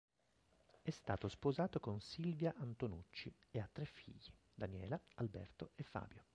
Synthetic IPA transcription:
ɛst̪aːt̪ospozaːt̪okonsilvjaʔant̪onut͡ʃːieat̪ːɾefːḭʎːi | d̪anjɛːlaalbɛ̰rt̪oefːa̰ːbjo

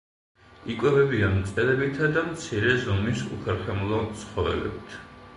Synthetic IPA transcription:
ikʼwɛvɛbianmt̪sʼɛɾɛbit̪ʰad̪amt̪sʰiɾɛzɔmisṵpʰɛɾχɛmulˠɔt̪sʰχɔvɛ̰lɛ̰bit̪ʰ

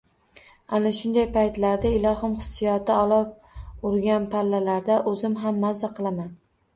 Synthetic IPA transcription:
anaʃʊnd̪ajpʰajt̪laɾd̪aɪlˠɒɦɪmχɨ̥sːɪjɒt̪ʰɪɒlˠɒp̚ | ʊɾɡʲanpʰalːalaɾd̪aʔɵzɪmɦamːazːaqʰɨlˠaman

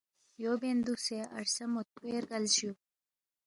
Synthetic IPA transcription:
jobend̪useʔɐ̰ɾsɐmot̪̚eɾɡalɕu

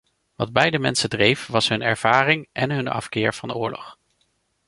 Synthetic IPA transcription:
ʋɑd̚bɛjdəmɛnsədrejfʋɑsɦɵnɛɹv̥aːrɪŋʔɛnɦɵnɑ̰fkɪːɹv̥ɑnʊːɹlɔ̰χ

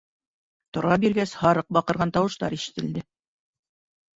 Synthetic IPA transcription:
t̪ŏɾɑbiɾɡæshɑɾɤq̚bɑqɤ̆ɾʁɑnt̪ɑwɤ̆ʃt̪ɑ̰ɾiʃɘ̥̆t̪ɘ̆ld̪ɘ

